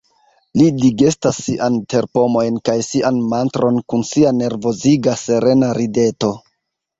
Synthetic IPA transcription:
lidiɡestasːiʔante̞ɾpo̞mo̞jnkajsiʔanmantɾʔo̞nkunsiane̞ɾvo̞ziɡase̞ɾe̞naɾide̞to̞

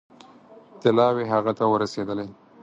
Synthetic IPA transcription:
t̪ɪlɑweɦaɣat̪awəɾased̪əle

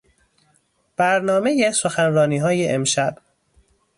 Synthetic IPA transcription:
b̥æɾnɒːme̞jesoxænrɒːniːɦɒːjeʔemʃæb̥

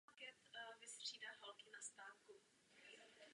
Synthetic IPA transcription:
kɛt̪vɪst̪r̝̥iːdaːɦalkɪnast̪aːfku

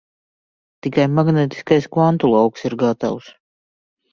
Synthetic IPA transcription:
t̪ikajmaɡnet̪i̥skajskvant̪ulˠawksiɾɡat̪a̰ws

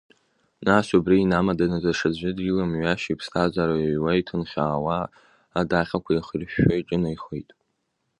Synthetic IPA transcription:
nasubriːnamadanazaʂad͡ʑʷɪɨdɡilamɥaʃipʰstʰazaɾawajtʰɨnχʲaːwaː | daχʲakʷʰaiχirɕojʈ͡ʂʼɪnajχejtʼ

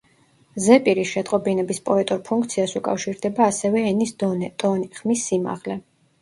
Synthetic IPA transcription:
zɛpʼiɾisʃɛt̪ʼqʼɔbinɛbispʼɔɛt̪ʼuɾpʰuŋkʰt̪sʰiasukʼa̰fʃiɾd̪ɛbaːsɛvɛɛnist̪ʼɔnχmisːima̰ʁlɛ

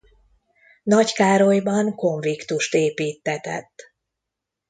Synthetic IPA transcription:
nɒckaːɾo̞jbɒŋko̞ɱvikt̪uʃt̪eːpiːt̪ːɛt̪ɛ̰t̪ː

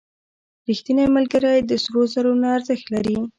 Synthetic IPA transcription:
ɾixt̪inajmalɡaɾajd̪əsɾozaɾonaːɾzəxt̪laɾi

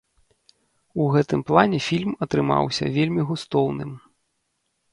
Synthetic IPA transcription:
uɣɛt̪ɨmplˠanʲɛfʲilʲmɐt̪ɾɨma̰wsʲɐ̰vʲelʲmʲiɣust̪ɔwnɨm

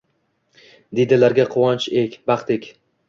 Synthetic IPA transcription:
d̪ed̪ɪlaɾɡʲaqʰʊwɑnt͡ʃekʲbɑχt̪ʰɪkʲ

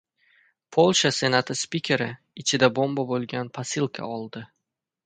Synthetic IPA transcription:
pʰolˠʃase̞nat̪ʰɪspikʲʰe̞ɾɪ | ɪt͡ʃʰɪd̪abombabolˠɡʲanpʰasɪlˠkʰa̰ɒlˠd̪ɪ

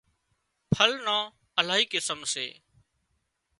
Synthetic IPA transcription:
pʰəlnãː | əlaːɦiːkɪsəmsḛː

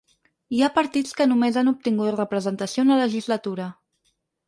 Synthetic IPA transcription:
iapəɾt̪it͡skənumezanup̚t̪iŋɡut̪rəpɾəzənt̪əsionələʒizlət̪uɾə

